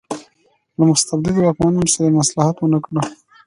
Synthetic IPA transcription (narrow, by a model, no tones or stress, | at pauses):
lamʊst̪abd̪ɪd̪wakmɑnunosaɾamaslɑhat̪wənakɽə